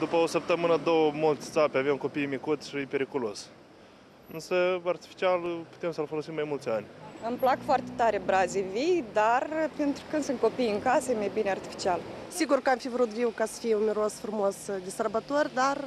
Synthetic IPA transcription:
d̪upəosəp̚t̪əmɨnəd̪owəmult̪sʲsapeavemko̞pijmikut̪ʲʃipe̞ɾikolo̞s | ɨnsəart̪i̥fi̥t͡ʃialpu̥t̪emsəlfolo̞simːajmult̪sʲanʲɨmplakfoart̪et̪aɾebɾazevijd̪arpe̞nt̪ɾukɨnd̪sɨnt̪̚ko̞pijɨŋkasəjemajbineart̪i̥fi̥t͡ʃial | siɡurkəamfivɾut̪viwkasə̥fijeunmeɾosfɾumosd̪esərbat̪orʲd̪ar

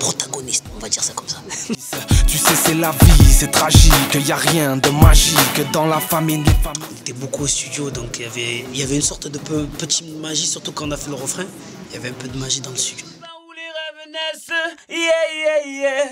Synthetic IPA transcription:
pχɔt̪aɡɔnist̪ɔ̃vad̪iʁsḁkɔmsḁsɛt̪ysɛsɛlavisɛt̪χaʒikijaʁjɛ̃d̪əmaʒikəd̪ɑ̃lafamilefamlet̪ɛbokuost̪yd̪jod̪ɔ̃kijavɛiljavɛynsɔʁt̪d̪əpøpət̪i̥t̪maʒisyʁt̪ukɑ̃ɔ̃nafɛləʁəfχɛ̃iljavɛɛ̃pød̪əmaʒid̪ɑ̃ləst̪yd̪joauleʁɛvnɛst̪ijɛijɛijɛ

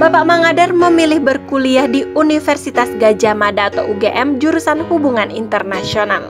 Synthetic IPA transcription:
bapaʔmaŋadɛrməmilɪhbərkuliahdiunifɛrsit̪asɡad͡ʒamadaːt̪awuɡeʔɛmd͡ʒuɾusanhubuŋanint̪ərnasional

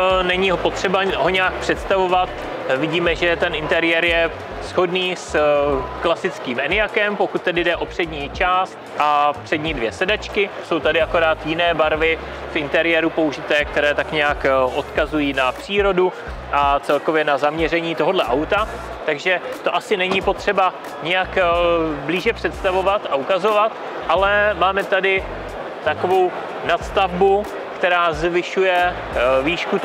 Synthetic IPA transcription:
nɛɲɪɦo̞po̞t̪r̥ɛbaɦo̞ɲaːk̚pr̝̥ɛt̪st̪avo̞vat̪ | vɪɟiːmɛʒɛt̪ɛnʔɪnt̪ɛɾɪjɛɾjɛ | sxo̞dniːsklasɪt͡skiːmɛnɪjakɛmpo̞kut̪̚ːɛdɪdɛʔo̞pr̝̥ɛdɲiːt͡ʃaːst̪ʔapr̝̥ɛdɲiːdvjɛsɛdat͡ʃkɪso̞wt̪adɪako̞ɾaːt̪jɪnɛːbaɾvɪ | fʔɪnt̪ɛɾɪjɛːɾupo̞uʒɪt̪ɛːk̚t̪ɛɾɛːt̪akɲɛakʔo̞t̪kazujiːnapr̝̥iːɾo̞du | ʔat͡sɛlko̞vjɛnazamɲɛr̝ɛɲiːt̪o̞ɦo̞dlɛʔawt̪a | t̪aɡʒɛt̪o̞ʔasɪnɛɲipo̞t̪r̝̥ɛba | ɲɛjakbliːʒɛpr̝̥ɛt̪st̪avo̞vat̪aukazo̞vat̪ | ʔalɛmaːmɛt̪adɪ | t̪ako̞vo̞w | nat̪st̪avbu | kt̪ɛɾaːzvɪʃujɛ | viːʃku

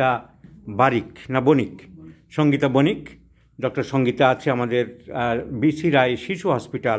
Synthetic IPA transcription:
a | baɾiknabonikʃɔŋɡit̪abonik | ɖɔk̚ʈoɾʃɔŋɡit̪aat͡ɕʰeamad̪eɾbiʃiɾajʃiʃuɦɔspiʈa

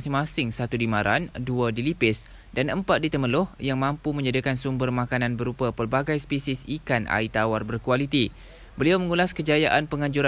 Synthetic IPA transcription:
sɪŋmasɪŋsat̪udimaɾʔa̰nduədilipɪs | danəmpat̪̚dit̪əməlʊhjaŋmãmpumə̃ɲd͡ʒadikansumbərmãkanãnbəɾupapərbaɡajspisisikanʔa̰it̪awarbərkualit̪i | bəliawmə̃ŋulaskəd͡ʒajaʔanpəŋãɲd͡ʒuɾa

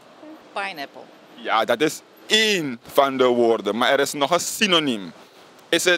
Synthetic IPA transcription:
pajnɛpə̰l̩ˠ | jaːdɑtɪs | eːnfɑndəʋoːrdəmaːɛɾɪsnɔχəsinonim | ɪsə

